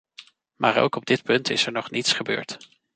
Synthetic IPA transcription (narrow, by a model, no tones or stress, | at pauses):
maːɹo̰wkɔb̚dɪt̚pɵntɪsɛɹnɔχnitsχəbø̰ːɹt